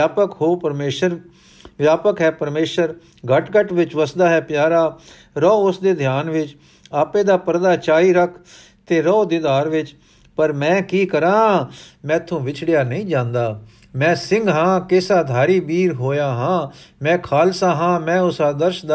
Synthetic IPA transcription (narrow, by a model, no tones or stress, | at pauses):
aːpəkɦoːpəɾmeːʃəɾ | ʋjaːpəkɦɛːpəɾmeːʃəɾ | ɡəʈɡəʈʋɪt͡ʃʋəsd̪aːɦɛːpjaːɾaː | ɾɔːʊsd̪eːd̪ʱjaːnʋɪt͡ʃ | aːpẽːd̪aːpəɾd̪aːt͡ʃaːiːɾəkʰ | t̪eːɾɔːd̪ɪd̪aːɾʋɪt͡ʃ | pəɾmɛ̃ːkiːkəɾãːmɛ̃ːt̪ʰːõːʋɪt͡ʃʰɽɪjaːnəĩːd͡ʒãːnd̪aː | mɛ̃ːsɪ̃ŋɡɦãːkeːsaːd̪ʱaːɾiːbiːɾɦoːjaːɦãːmɛ̃ːkʰaːlsaːɦãːmɛ̃ːʊsaːd̪əɾʃd̪a